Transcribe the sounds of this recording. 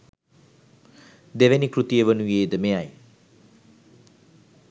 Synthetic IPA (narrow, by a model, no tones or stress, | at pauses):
d̪eʋenikrut̪ijəʋənujeːd̪əmeaj